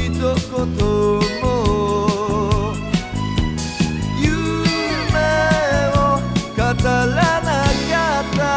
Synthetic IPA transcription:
itokot̪omɔ | jumɛɔkatalanakata

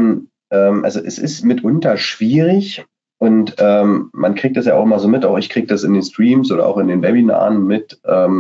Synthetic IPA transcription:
n | ʔɛːmʔa̰lzoʔɛsɪ̰stmɪtʔʊntɐʃv̥iːʁɪç | ʔʊntʔɛːmːankʁ̥iːk̚td̥asjaːaʊxʔɪmɐzoːmɪtaʊxɪçkʁ̥iːɡəd̥asɪndeːnstʁ̥iːmsʔoːɾɐ̰ʔa̰ʊxɪndeːnbɛbina̰ːnmɪtʔɛːm

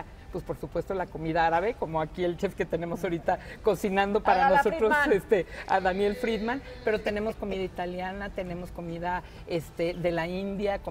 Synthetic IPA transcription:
pwespo̞ɾsupwe̞st̪o̞lako̞miðaaɾaβe̞ko̞moakie̞lt͡ʃe̞fke̞t̪e̞ne̞mo̞soɾit̪ako̞sinãnd̪o̞ppaɾanosot̪ɾosest̪e̞a̰ðanje̞lfɾiðman | pe̞ɾot̪e̞ne̞mo̞sko̞miðait̪aljanat̪e̞ne̞mo̞sko̞miða | e̞st̪e̞ðe̞laind̪jako

